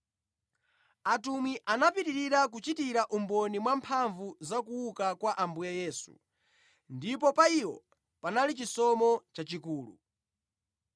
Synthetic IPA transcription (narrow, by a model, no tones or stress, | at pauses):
atumwiʔanapitiɾiɾak̬ut͡ʃitiɾaʔumbɔnimwampʰaɱvuzakuukakwaʔambujajɛːsṵ | ndipɔpaiwɔ | panalit͡ʃisɔmɔt͡ʃat͡ʃikuːlṵ